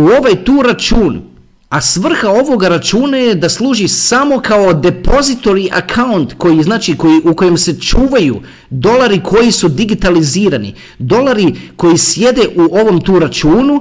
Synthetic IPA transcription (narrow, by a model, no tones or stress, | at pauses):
uo̞ʋajt̪uːɾat͡ʃuːn | asʋr̩xao̞ʋo̞ɡaɾat͡ʃuːnaje̞d̪aslˠuːʒisamo̞kao̞d̪e̞po̞zit̪o̞ɾiʔa̰kʰaunt̪ko̞jiznaːt͡ʃiko̞jiʔuko̞je̞mse̞t͡ʃuːʋajṵ | d̪o̞laɾikʰo̞jisud̪iɡit̪aliziːɾanḭ | d̪o̞laɾiko̞jisje̞d̪e̞ʔuo̞ʋo̞mt̪uːɾat͡ʃuːnu